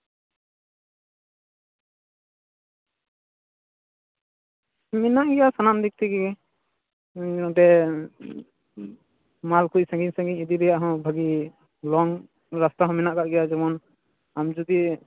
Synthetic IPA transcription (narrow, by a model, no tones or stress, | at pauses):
mɛnaʔɡɛjasanamd̪ik̚t̪iɡɛɡɛ | ɔʈɛ | malkuc̚sãŋɡiɲsãŋɡiɲid̪iɾɛjaʔɦɔ̃bʱaɡi | lɔŋ | ɾast̪aɦɔ̃mɛnaʔkaʔɡɛjad͡ʒɛmɔn | amd͡ʒud̪i